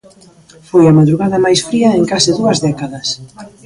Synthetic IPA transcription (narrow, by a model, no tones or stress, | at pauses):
fojɐmaðɾuɣaðɐmajsfɾiɐeŋkasɪðuɐzðɛkaðɐs